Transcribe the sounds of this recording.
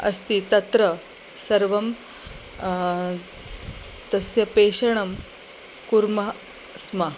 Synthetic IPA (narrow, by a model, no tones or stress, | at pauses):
ɐ̰st̪it̪ɐt̪ɾɐ | sɐɾʋɐm | t̪ɐsjɐpeːʂɐɳɐm | kuɾmɐ | sma